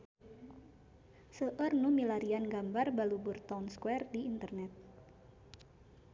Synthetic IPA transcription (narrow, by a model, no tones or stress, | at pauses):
səʔərnumilaɾianɡambarbaluburt̪aunskwɛrdiːnt̪ərnɛt̪̚